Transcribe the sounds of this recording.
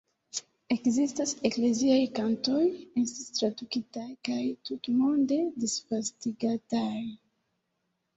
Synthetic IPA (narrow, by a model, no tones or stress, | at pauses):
e̞kzistasekle̞ziajkanto̞jensstɾadukitajkajtutmonde̞disfastiɡataj